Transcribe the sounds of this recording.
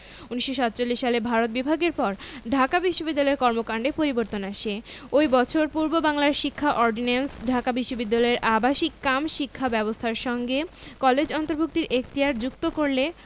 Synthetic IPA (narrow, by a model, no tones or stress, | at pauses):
uniʃoʃat̪̚t͡ɕolːiʃːalebʱaɾot̪̚bibʱaɡeɾpɔɾɖʱakabiʃːobid̪ːalɔeɾkɔɾmokaɳɖepoɾiboɾt̪onaʃe | ojbɔt͡ɕʰoɾpuɾbobaŋlaɾʃikʰːaʔɔɾɖinensɖʱakabiʃːobid̪ːalɔeɾʔabaʃikːamʃikʰːabɛbost̪ʰaɾʃɔŋɡekɔled͡ʑɔnt̪oɾbʱuk̚t̪iɾek̚t̪iaɾd͡ʑuk̚t̪okoɾle